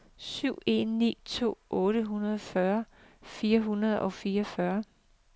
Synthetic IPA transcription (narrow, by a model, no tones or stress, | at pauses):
syʊ̰e̝̰nːḭːt͡sʰo̝̰ːʔɔ̽ːɾ̥əɦunɐðˠfɶɐfiːɐɦunɐð̞ˠɒ̽fiːɐɒfɶɐ